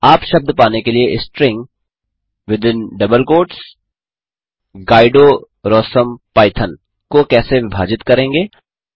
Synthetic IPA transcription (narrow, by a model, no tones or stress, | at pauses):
aːpʃɐb̚d̪ʱpaːnekelieʔɪsʈɾɪ̃ŋɡ | ʋɪd̪ɪ̃nɖɐbəlkoːʈs | ɡaːɪɖo | ɾɔːsəmpaːɪt̪ʰən | kokɛːseʋɪbʱaːd͡ʒɪt̪kɐɾẽːŋɡeː